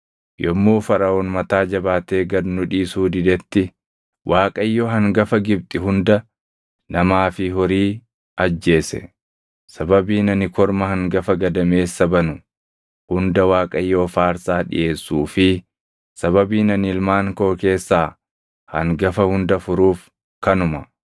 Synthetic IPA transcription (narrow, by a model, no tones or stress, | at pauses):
jɔmːoːfɐɾɐoːnmɐt̪aːd͡ʒɐbaːt̪e̞ːɡɐd̪nʊᶑiːsuːd̪ɪd̪ɛt̪ːɪ | wʔaːkʼɐjːoːɦɐŋɡɐfɐɡɪb̚t̪ʼɪɦʊnd̪ɐ | nɐmaːfɪɦɔɾiː | ɐd͡ʒːe̞ːsɛ̰ | sɐbɐbiːnɐnɪkɔɾmɐhɐŋɡɐfɐɡɐd̪ɐme̞ːsːɐbɐnʊ | hʊnd̪ɐwaːkʼɐjːo̞ːfaːɾsaːᶑɪ̰ʔe̞ːsːuːfɪ | sɐβɐbiːnɐnɪlmaːŋkoːke̞ːsːaː | hɐ̰ŋɡɐfɐhʊnd̪ɐfʊɾuːf | kɐnʊmɐ